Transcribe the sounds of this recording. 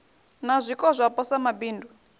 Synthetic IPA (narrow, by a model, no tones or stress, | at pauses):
nazʷikʼɔzʷapɔsamabiːndʱu